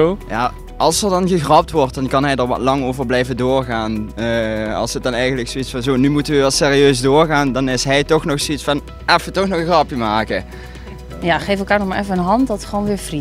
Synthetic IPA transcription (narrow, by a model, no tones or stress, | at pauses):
ja̰ː | ɑlˠsərdɑnɣəɣrɑp̚tʋɔrt̚dɑnkɑnɦɛjdəɹʋɔ̰tlɑŋoːvərblɛjvədoːrɣaːnəɑ̰lˠsət̚dɑnɛjɣəndləksoitsfɑnzoːnymutənʋəʋɑtseːriøːzdoːrɣaːndɑnɪsɦɛjtɔxnɔxsoitsfɑn | ɛfətɔxnɔxɣrɑpimaːkə | jaxefəlˠkaːrnɔxmaɹɛfəənɦɑntdɔtxʋoːnʋɪːfri